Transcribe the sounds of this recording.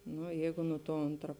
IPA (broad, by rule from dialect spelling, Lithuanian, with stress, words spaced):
ˈnʊ ˈjɛɪɡʊ nʊ tuɔ ˈoːntrɐ